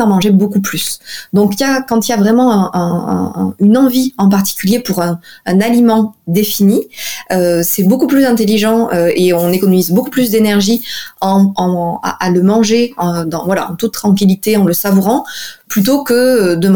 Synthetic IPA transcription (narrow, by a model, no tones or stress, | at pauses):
ɑ̃mɑ̃ʒebokuplysd̪ɔ̃kiljakɑ̃t̪iljavʁɛmɑ̃ɛ̃ɛ̃ɛ̰̃ynɑ̃viɑ̃paʁt̪i̥kʲyljepuʁɛ̃ːnalimɑ̃d̪efiniøsɛbokuplyzɛ̃t̪eliʒɑ̃øeɔ̃nekɔnɔmizbokuplysd̪enɛʁʒiɑ̃ɑ̃a̰ʔaləmɑ̃ʒeɑd̪ɑ̃vwala̰ɑ̰̃t̪ut̪̚ːt̪ːχɑ̃k̬ʲilit̪eɑ̃ləsavuʁɑ̃plyt̪̬okəd̪əm